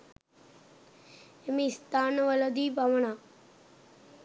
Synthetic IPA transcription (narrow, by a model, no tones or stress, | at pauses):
emist̪anʋələd̪iːpaməɳa